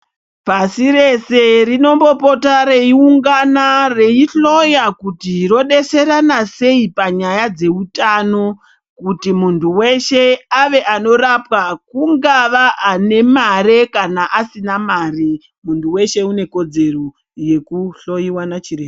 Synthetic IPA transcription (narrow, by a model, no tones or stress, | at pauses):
pasiɾe̞se̞rino̞mbo̞po̞taɾe̞iuŋɡanareiɬo̞jakutiro̞ɗe̞se̞ɾanase̞ipaɲajad͡ze̞utano̞ | kutimuntʰuwe̞ʃe̞aʋe̞ʔano̞rapwakuŋɡaʋaʔːne̞maɾekanaʔasinamaːri | muntuwe̞ʃe̞une̞ko̞d͡ze̞ro | je̞kuɬo̞jiwanat͡ʃireːme